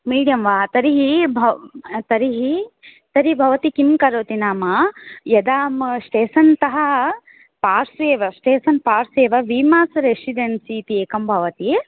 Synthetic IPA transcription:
miːɖijɐmʋaːt̪ɐɾiɦibʱɐt̪ɐɾiɦi | t̪ɐɾibʱɐʋɐt̪ikinkɐɾoːt̪inaːmɐjɐd̪aːmʂʈeːsɐnt̪ɐɦɐ | paːɾseːʋɐsʈeːsɐnpaːɾseːʋɐʋiːmaːsɾesiɖensiːt̪ieːkɐmbʱɐʋɐt̪i

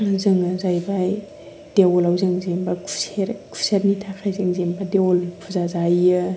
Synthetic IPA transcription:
nzɯŋazajbaj | d̥ewɔlawzɯŋzembakʰu̥seɾkʰu̥seɾnitʰakʰajzɯŋzembadewɔlpʰuzazajɯ

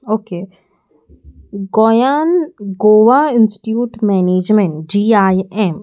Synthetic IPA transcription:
oːkeː | ɡojaːnɡoːʋaːɪnsʈʈjuːʈmɛːneːd͡ʒmɛ̃ɳʈd͡ʒiːaːjɛm

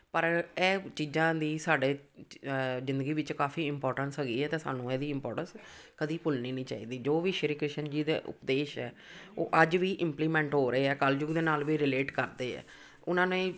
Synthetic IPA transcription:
pəɾɛːt͡ʃiːzãːd̪iːsaːɖeː | zɪ̃nd̪əɡiːʋɪt͡ʃkaːfiːɪmpɔːɾʈənsɦəɡiːɛːt̪ãːsa̰ːnũːɛːd̪iːɪmpɔːɾʈə̃nskəd̪iːpʊlniːnĩːt͡ʃa̰ːḭːd̪iːd͡ʒoːʋiːʃəɾiːkɾɪʃənd͡ʒiːd̪ḛːʔʊ̰pd̪eːʃɛ̰ː | o̰ːʔəd͡ʒʋiːʔɪ̃mpliːmɛ̃ːɳʈɦoːɾəeːɛːkəld͡ʒʊɡd̪eːnaːlʋiːɾɪleːʈkəɾd̪eːɛ̰ː | ʊnãːnẽ

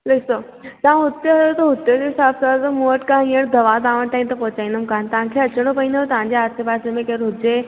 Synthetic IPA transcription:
lekso | t̪ɐʋãɦʊt̪joɦɐjot̪ɐɦʊt̪jod͡ʑeɪsaːfsazɐmoəʈkãĩːəɽ̃d̪ɐʋad̪aːʋəɽ̃ʈaːĩmt̪ɐpɔɦʊt͡ɕaːĩn̆d̪ʊmkaːnt̪ɐʋ̤ãkʰeɐt͡ɕəɽ̃opɐĩnd̪ojot̪ɐʋ̤ãɲd͡ʑeɦaːsepaːsemẽkɐɾɦʊt̪e

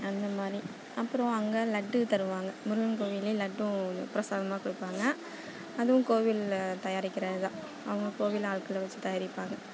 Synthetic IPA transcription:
ɐnd̪ɐmaːd̪ɾi | ɐpːɯɾɔ̃ɐŋɡɐlɐɖːɯt̪ɐɾɯʋaːŋɡɐmʊɾɯʋɐnkoːʋɪlelɐʈːʊ̃pɪɾɐsaːðɐmaːkʊɽɯpːaːŋɡɐ | ɐðɯʋʊ̃koːʋɪlt̪ɐjaːɾɪkːɪɾɐððãː | ɐʋɐŋɡɐkoːʋɪlaːɭkɯlʋɐt͡ʃːɯt̪ɐjaːɾɪpːaːŋɡɐ

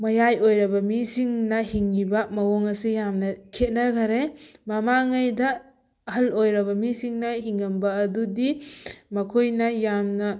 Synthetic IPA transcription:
mɐjajojɾɐbɐmisiŋnɐhiŋːibɐmɐwoŋɐsejamnɐkʰet̚nɐɡɐɾemɐmaŋajdɐ | ɦɐlojɾɐβɐmisiŋnɐɦiŋːɐmbɐːdudimɐkʰojnɐjamnɐ

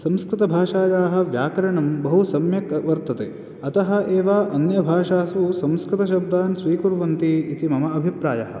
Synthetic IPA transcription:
sɐ̃mskɾɪt̪ɐbʱaːʃaːjaːɦɐ̆ʋjaːkɐɾɐɳɐmbɐɦusɐmjɐkʋɐɾt̪ɐt̪eː | ɐt̪ɐɦɐ̆ʔeːʋaːʔɐnjɐbʱaːʃaːsusɐ̃mskɾɪt̪ɐʃ̬ɐb̚d̪aːnsʋiːkuɾʋɐnt̪iit̪imɐmɐːbʱipɾaːjɐɦɐ̰̆

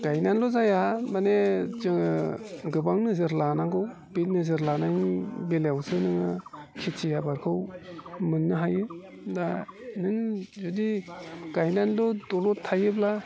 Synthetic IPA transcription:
ɡ̥ajnanlɔzajamanezɯŋɯɡɯbaŋnɯzɯɾlanaŋɡɯw | bitnɯzɯɾlanaŋbelawsʰɯnɯŋɯkʰit͡ʃʰijabaɾkʰɯwmɯnːɯɦajɯ | danɯŋzudiɡ̥ajnanlɔdɔlɔtʰajɯbla

